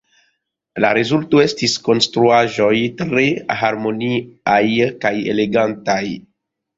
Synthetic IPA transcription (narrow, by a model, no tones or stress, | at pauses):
la̰ɾezultoe̞stisko̞nstɾuaʒo̞jtɾe̞ɦaɾmo̞niajkaje̞̰leɡantaj